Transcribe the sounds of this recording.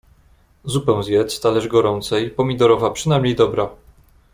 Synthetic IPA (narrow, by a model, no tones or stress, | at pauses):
zupɛw̃zʲjɛt̪st̪alɛʐɡɔɾɔnt̪sɛjpɔmʲid̪ɔɾɔvapʂɘnajmɲejd̪ɔbɾa